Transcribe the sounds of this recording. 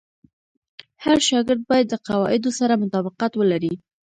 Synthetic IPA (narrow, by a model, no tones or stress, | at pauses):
haɾʃɑɡɪɾd̪̚bɑjad̪ːəqawɑʔɪd̪osaɾamʊt̪ɑbɪqat̪wəlaɾi